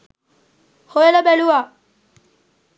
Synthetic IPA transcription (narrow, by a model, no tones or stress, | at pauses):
hojelabɛluwa